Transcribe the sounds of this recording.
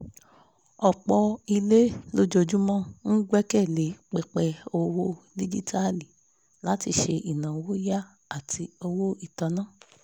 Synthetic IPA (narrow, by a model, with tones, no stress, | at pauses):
ɔ˨k͡pɔ˧i˧le˦lo˦d͡ʒo˧d͡ʒu˦mɔ̃˦n̩˦ɡ͡bɛ˦kɛ˦˨le˨˦k͡pɛ˧k͡pɛ˧o˧wo˦ | di˦d͡ʒi˦tʰa˦li˨ | la˦ti˧ʃe˧i˨nã˨wo˦ja˦ | a˦˨tʰi˧o˧wo˦i˦˨ta˧nãː˦˨